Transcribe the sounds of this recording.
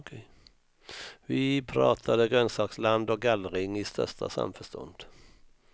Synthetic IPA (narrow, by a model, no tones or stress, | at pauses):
vɪpʰɾɑ̰ːt̪ʰad̪əɡɾœnsɑːksland̪ɔk̚ɡalːɾɪŋɪst̪ʰœ̰ʂta̰sa̰mfœʂtɔ̰nd̪̥